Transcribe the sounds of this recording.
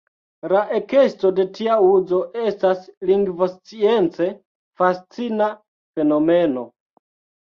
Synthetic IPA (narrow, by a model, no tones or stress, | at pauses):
laʔe̞ke̞sto̞de̞tʰiauzo̞ʔe̞stasliŋɡvost͡sie̞nt͡se̞ | fast͡sina | fe̞no̞meno̞